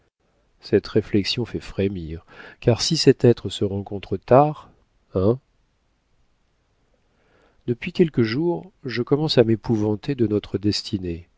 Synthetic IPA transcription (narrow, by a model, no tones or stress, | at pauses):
sɛt̪ʁeflɛksjɔ̃fɛfχemiʁkaʁsisɛt̪ɛt̪χəsəʁɑ̃kɔ̃t̪χət̪aʁ | ɛ̃ | d̪əpɥikʲɛlkəʒuʁʒəkɔmɑ̃samepuvɑ̃t̪ed̪ənɔt̪χəd̪ɛst̪ʰine